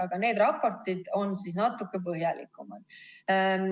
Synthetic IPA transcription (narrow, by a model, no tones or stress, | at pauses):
ɑɡ̥ɑne̞ːd̪̥rɑpːˑo̞rt̪ˑid̪̥o̞nsisnɑt̪ːˑukːe̞p̬ɤɦjɑlḭkːˑumɑd̪̥